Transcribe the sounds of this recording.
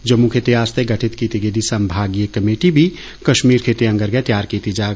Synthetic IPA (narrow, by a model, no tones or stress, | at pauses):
d͡ʒɐmːukʰet̪eaːst̪eɡɐʈʰɪt̪kit̪iɡed̪isɐmbʱaːɡijəkɐmeːʈibʱi | kɐʃmiːɾkʰeːt̪eɐ̃ŋɡəɾɡɛt̪jaːɾkit̪id͡ʒaː